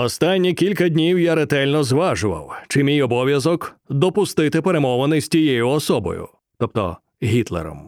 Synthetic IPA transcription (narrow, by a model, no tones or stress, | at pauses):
ɔst̪anʲːikʲilʲkɐdʲnʲiwjaɾet̪ɛlʲnɔzʋaʒʊʋɐ̰wt͡ʃɪmʲijɔbɔʋʲjɐzɔkd̪ɔpʊst̪ɪt̪ɪpeɾemɔʋɐnɪsʲtʲijɛjʊɔsɔbɔ̰jʊ̰ | t̪ɔp̚t̪ɔ̰ | ɦʲit̪lˠḛɾɔ̰m